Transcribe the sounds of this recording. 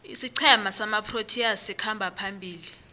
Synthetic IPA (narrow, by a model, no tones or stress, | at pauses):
isiǀʰɛmasamapʰrotʰiasikʰambʱapʰambʱiːli